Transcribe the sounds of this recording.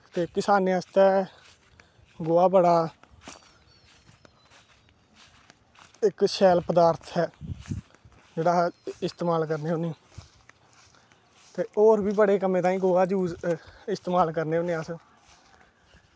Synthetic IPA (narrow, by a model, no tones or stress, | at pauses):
t̪eːkɪsaːneːãst̪ɛː | ɡoːaːbəɽaː | ɪkʃɛːlpəd̪aːɾt̪ʰɦɛː | d͡ʒeːɽaːɪst̪eːmaːlkəɾneːoːnẽː | t̪eːoːɾbiːbəɽeːkəmẽːt̪ãːĩːɡoːaːd͡ʒuːd͡ʒɪst̪eːmaːlkəɾneːoːneːaːs